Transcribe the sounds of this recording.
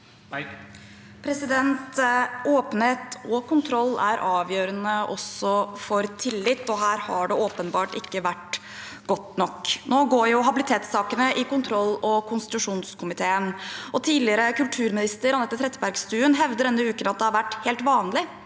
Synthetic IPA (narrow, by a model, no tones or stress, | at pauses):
pʰɾɛsɪd̪ɛnt̪ʔoːpən̩heːt̪ɔkʊnt̪ʰɾɔlːæɾʔɑːʋjøːɾənəʔɔsɔfɔɾt̪ʰɪlːɪt̪ːɔɦæːɾhɑɖɛoːpənbɑːʈɪkːəʋæʈ | ɡ̥ɔt̪nɔkːnoːɡoːɾjʊɦɑbɪlɪt̪ʰeːt̪sɑːkənəʔɪkʊnt̪ʰɾɔlːɔkʰʊnst̪ɪt̪ʉʂuːnskʰʊmɪt̪ʰeːənʔɔt̪ʰiːlɪəɾəkʉlt̪ʰʉːɾmɪnɪst̪əɾɑnɛt̪ːət̪ʰɾɛt̪ːbæɾɡst̪ʉːənɦɛʋd̪əɾdɛnːəʉːkənɑt̪̚d̪ɛhɑɾʋæʈːheːlt̪ʋɑːnlɪ